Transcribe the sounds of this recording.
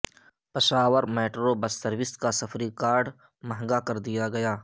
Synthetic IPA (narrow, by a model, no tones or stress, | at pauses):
pɐʃaːʋəɾmɛːʈɾobɐsːəɾwɪskasɐfʰɾikaːɾɖ | mɐɦŋɡakɐɾd̪ijaɡɐjaː